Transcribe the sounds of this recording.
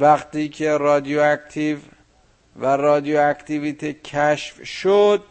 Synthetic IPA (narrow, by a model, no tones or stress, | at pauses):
væχt̪iːcʰeɾɒːd̪ijoækt̪ʰiv | værɒːd̪ijoækt̪ʰiviːt̪ʰecʰæʃfʃod̪